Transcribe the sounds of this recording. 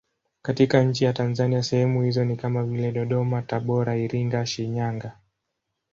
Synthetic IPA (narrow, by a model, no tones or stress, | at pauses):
katikaɲ̩t͡ʃijatanzaniasɛhɛmuhizɔnikamavilɛɗɔɗɔmataɓɔɾaiɾiŋɡaʃiɲaŋɡa